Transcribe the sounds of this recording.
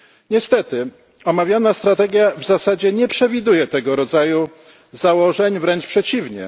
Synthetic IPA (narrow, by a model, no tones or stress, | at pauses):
ɲɛst̪ɛt̪ɘ | ɔmavʲjanast̪ɾat̪ɛɡʲjavzasad͡ʑɛɲɛpʂɛvʲid̪ujɛt̪ɛɡɔɾɔd̪zaju | zawɔʐɛɲvɾɛnt͡ʂpʂɛt͡ɕivɲɛ̰